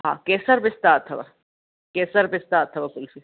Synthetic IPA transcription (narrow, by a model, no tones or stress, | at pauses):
ɦã̰ːkɛːsɐɾbɪst̪aːt̪ʰɐbɐ̰ | keːsɐɾbɪst̪aːt̪ʰːɐbɐkʊlfi